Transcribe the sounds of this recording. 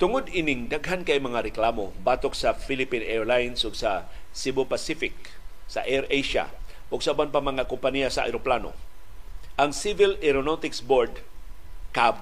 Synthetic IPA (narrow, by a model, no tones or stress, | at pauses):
t̪ʊŋʊd̪ɪnɪŋd̪aɡɦankɐjmɐŋaɾɛklaːmobaːt̪ok̚sɐfilɪpinʔɛɹlajnsʊɡsɐsibopɐsifɪk̚ | sɐ̰ʔɛɾʔejʃa̰ | ʔʊɡsɐʔabanpaŋmɐŋakʊmpɐnijasɐʔa̰jɾoplano̰ | ʔɐŋsivɪlɛɾonot̪ɪksboɹd̪ | kab̚